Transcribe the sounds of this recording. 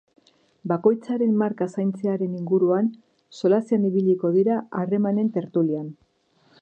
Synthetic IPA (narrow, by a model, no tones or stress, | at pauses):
bako̞jt͡saɾe̞mːaɾkasajnt͡se̞aɾe̞niŋɡuɾuan | so̞lasianiβiʎiko̞ðiɾaare̞mane̞nt̪e̞ɾt̪ulian